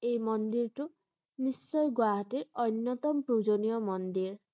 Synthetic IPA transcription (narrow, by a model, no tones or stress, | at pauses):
ejmɔnd̪iɾtu | nisːɔjɡwaɦɔtiɾɔjnjɔt̪ɔmpɾud͡ʒonijɔmɔnd̪iɾ